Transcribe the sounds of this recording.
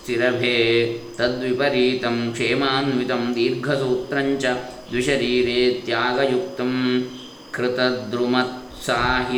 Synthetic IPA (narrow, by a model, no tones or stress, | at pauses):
t̪iɾɐbʱeːt̪ɐd̪ʋipɐɾiːt̪ɐmkʂeːmaːnʋit̪ɐmd̪iːɾɡʱɐsuːt̪ɾɐɲt͡ʃɐ | d̪wiʃɐɾiːɾeːt̪jaːɡɐjuk̚t̪ɐm | kɾɪt̪ɐd̪ɾumɐt̪̚ | saːɦi